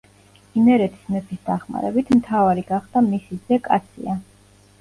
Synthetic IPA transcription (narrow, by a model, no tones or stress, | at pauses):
imɛɾɛt̪ʰi̥smɛpʰisd̪aχma̰ɾɛbit̪ʰmt̪ʰavaɾiɡaχd̪̥amisizɛkʼat̪sʰḭa